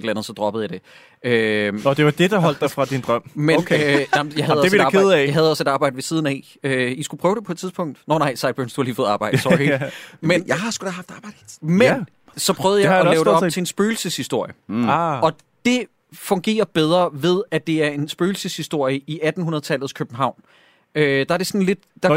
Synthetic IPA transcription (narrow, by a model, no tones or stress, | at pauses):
d̥l̩ænð̩ˠsɒ̽d̥ʁɒ̽b̥ð̩ˠjɑd̥e̝ | øɒd̥eʋɑd̥e̝d̥ɑ̈ɦɒl̰d̥ɑfʁɑ̈d̥ind̥ʁɶm̰mennɑjɑ̈ɦæð̩ˠɒïkeð̩ˠɛjɑɦæð̞̩ˠɒ̽se̝dɑ̈ːb̥ɑ̈ɪdəʋe̝siːð̞ˠn̩ɛɪ | øisɡ̥upʰʁœːʊd̥e̝pʰɒ̽e̥t͡sʰiðˠspɔ̽ŋ̰d̥noʊnɑ̈ɪsɑ̈ɪb̥ønsd̥uhɑ̈liːfɔːð̩ˠɑːb̥ɑ̈ɪ̰̥sɒimenjɑɪhɑsɡ̥ud̥æhɑ̈fd̥ɑːb̥ɑɪd̥men | sɒ̽pʰʁœʊð̩ˠjɪɒɛːʊdeɒ̥̽t͡sʰe̝ensb̥øːl̩səshisd̥o̝ɐ̰jəɒ̽ | d̥e̝ | fɔ̽ŋɡ̥e̝̰ːɐb̥eð̞ˠʁɐʋe̝ð̞ˠæd̥e̝æɐe̝nsb̥øːl̩səshisd̥o̝ɐ̰jəiʔæd̥n̩unɐð̩ˠt͡sʰælð̞̩ˠskʰøb̥m̩ɦɑ̈ʊ̰n | ød̥ɑ̈æɐɾe̝sɔnle̝d̥d̥ɑ̈